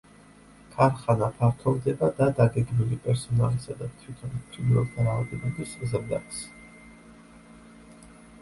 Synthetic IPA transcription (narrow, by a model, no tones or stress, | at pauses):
kʰaɾχanapʰaɾt̪ʰɔvd̪ɛbad̪ad̪aɡɛɡmilipʼɛɾsɔnalisad̪at̪ʰwit̪ʰɔnpʰɾilvɛlˠt̪ʰaɾaːvd̪ɛb̪abiszɛmd̪at̪s